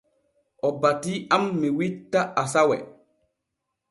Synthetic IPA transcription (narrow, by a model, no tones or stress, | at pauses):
ʔɔbatiamːiwitːaasawɛ̰